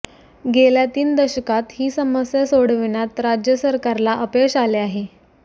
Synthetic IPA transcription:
ɡeljat̪iːnd̪əɕəkat̪hiːsəməsjəsoɽ̤ʋinjat̪ɾad͡ʑjəsəɾkaɾlaʔəpekɕaleaɦe

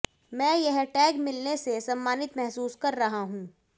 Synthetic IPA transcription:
mɛ̃ːjɛɦʈɛːɡmɪlnesesɐmːaːnɪt̪mɛɦsuːskɐɾːɐɦaɦũː

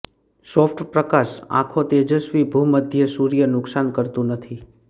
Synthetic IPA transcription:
sɔfʈpɾəkasã̰kʰot̪ed͡ʒəsʋibʱuməd̪ʱjəsuɾijənʊksankəɾt̪ũnət̪ʰi

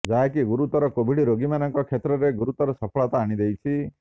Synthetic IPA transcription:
d͡ʒaɦekiɡuɾut̪ɔɾɔkobʱiɽiɾoɡimanɔŋkɔkʰet̪ɾɔɾeɡuɾut̪ɔɾɔsɔpʰɔɭat̪aːɽ̃id̪ejt͡ʃʰi

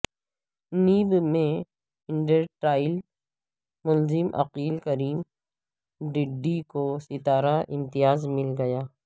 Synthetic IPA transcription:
niːbmẽ | ɪ̃ɳɖəɾʈɾaːɪl | mʊlzɪmʔɐ̰qiːlkɐɾiːm | ɖɪɖːikosɪt̪aːɾaʔɪ̃mt̪ijaːzmɪlɡɐjaː

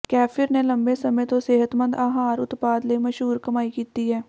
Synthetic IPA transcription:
kɛːfʰɪɾnelɐ̃mbesɐmə̃t̪oseːɦət̪mə̃nd̪aːɦaːɾʊt̪paːd̪lemɐʃɦuːɾkɐmaːikiːt̪iɦɛː

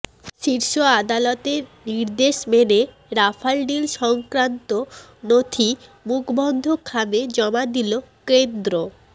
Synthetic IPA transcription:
ʃiɾʃoad̪alɔt̪eɾniɾd̪eʃmene | ɾafʰalɖilʃɔŋkɾant̪o | not̪ʰimukʰbɔnd̪ʱokʰːamed͡ʑɔmad̪ilokend̪ɾo

